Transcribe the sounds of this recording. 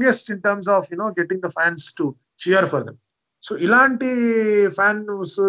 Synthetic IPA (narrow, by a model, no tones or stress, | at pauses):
jesʈĩɳʈəɾms̬ɔːfjunoːɡɛʈĩŋd̪ɐfæ̃ːnsʈu | t͡ʃɛəɾfɔɾd̪ḛ̃m | soːilaːɳʈifæːns